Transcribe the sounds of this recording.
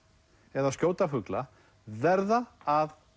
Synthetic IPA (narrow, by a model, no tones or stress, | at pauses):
ɛðascjoːwt̪afʏkla | vɛɾðaað